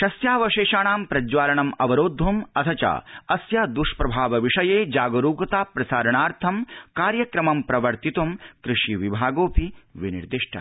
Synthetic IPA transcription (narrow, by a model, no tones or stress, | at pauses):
ʃɐsjaːʋɐʃeːʃaːɳaːmpɾɐd͡ʒʋaːɾɐɳɐmɐʋɐɾoːd̪ʱːumɐt̪ʰɐt͡ʃa̰ːɐsjad̪uʂpɾɐbʱaːʋɐʋiʂɐjeːd͡ʒaːɡɐɾuːkɐt̪aːpɾɐsaːɾɐɳaːɾt̪ʰɐmkaːɾjɐkɾɐmɐmpɾɐʋɐɾt̪it̪umkɾɨʂiʋibʱaːɡoːpiʋinḭɾd̪iʂʈʰɐ̰